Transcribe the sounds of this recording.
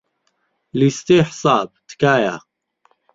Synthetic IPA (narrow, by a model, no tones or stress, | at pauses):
list̪eːħsaːb̚t̪ʰkaːja̰